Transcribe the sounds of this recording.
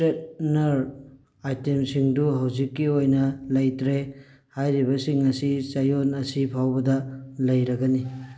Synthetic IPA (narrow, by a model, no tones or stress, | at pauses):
et̚nɐɾ | ajtemsiŋduɦawzikːiojnɐlɐjtɾe | hajɾiβɐsiŋːɐsisajonɐsipʰawbɐdɐlɐjɾɐɡɐni